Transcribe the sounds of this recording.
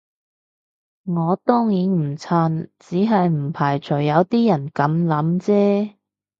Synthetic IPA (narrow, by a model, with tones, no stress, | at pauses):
ŋɔː˨˧t̪ɔː˥ŋjiː˨˥nm̩˨˩t͡sʰaː˧nt͡siː˨˥ɦɐ˨jm̩˨˩pʰaː˨˩jt͡ʃʰɵ˨˩jːɐ˨˧wt̪iː˥jɐ˨˩nkɐ˨˧˥mlɐ˨˥mt͡sɛː˥